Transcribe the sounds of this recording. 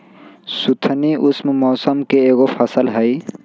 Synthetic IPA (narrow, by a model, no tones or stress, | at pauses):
sut̪ʰniʔusmemɔːsəmkeːɣopʰəsəlɦəj